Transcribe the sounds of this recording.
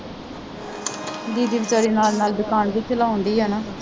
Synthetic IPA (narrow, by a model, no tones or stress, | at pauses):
d̪iːd̪iːbɪt͡ʃaːɾiːnaːlnaːlbɪkaːɳbiːkʰɪlaːɦõːnd̪iːɦɛːnaː